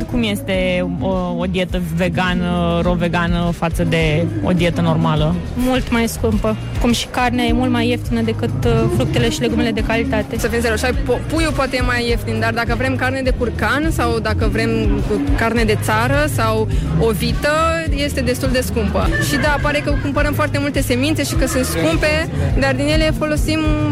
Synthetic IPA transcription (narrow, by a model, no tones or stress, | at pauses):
kumje̞st̪e̞ | od̪ije̞t̪əve̞ɡanəɾo̞ve̞ɡanəfat̪səd̪e̞o̞̰d̪ie̞t̪əno̞rmalə | mult̪majskumpə | kumʃi̥karneaje̞mult̪majːeft̪inəd̪e̞kɨt̪fɾuk̚t̪e̞le̞ʃile̞ɡumele̞d̪e̞kalit̪at̪e̞səfimseɾoʃapopujupoat̪ejemajːeft̪ind̪ard̪akəvɾe̞mkarne̞d̪e̞kurkansawd̪akəvɾe̞mkarne̞d̪e̞t̪saɾəsawo̞vit̪əje̞st̪e̞d̪e̞st̪uld̪e̞skumpəʃid̪apaɾe̞kəkumpəɾəmfoart̪e̞mult̪e̞se̞mint̪se̞ʃikəsunt̪skumpe̞d̪ard̪inje̞le̞fo̞lo̞sim